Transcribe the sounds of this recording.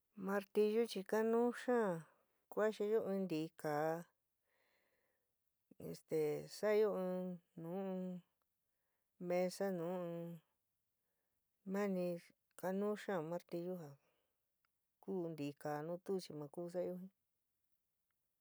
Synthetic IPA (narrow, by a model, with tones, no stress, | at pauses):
mã˧ɾt̪i˧ʒu˦t͡ʃi˧ka˦nũː˦ʃãː˦˨ | kʷa˦ʃi˧jo˦ʔɨ̃˧nd̪iː˨˦kaː˨˦ | ḛ˧st̪e˨sa˦˧jo˦ɨ̃˧nũː˨˦˧ | mẽ˧sa˦nũː˨˦˧ | mã˦nĩ˧ | ka˧nũ˦ʃã˦˨˧mã˧ɾt̪i˧ʒu˦ɦa˨ | kuː˦˧nd̪i˨˧kaː˨nũː˦t̪u˦˧t͡ʃi˧mã˧kuː˦˧s̬a˦˧jo˦ɦĩ˦